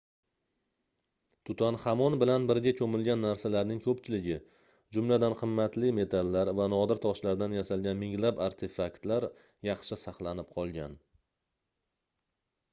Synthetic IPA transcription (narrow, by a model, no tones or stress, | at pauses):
t̪ʰʊt̪ʰanhamɒnbɪlanbɪɾɡʲakʰɵmɪlɡʲanːaɾsalaɾnɪŋkʰɵpt͡ʃʰɪlɪɡʲɪ | d͡ʒʊmlad̪anqʰɨmːat̪lɪme̞t̪ʰalːaɾvanɒd̪ɪɾt̪ʰɒʃlaɾd̪anjasalˠɡʲanmɪŋlapaɾt̪ʰefakt̪laɾ | jɑχʃɪsɑχlˠanɪp̚qʰɒlˠɡʲan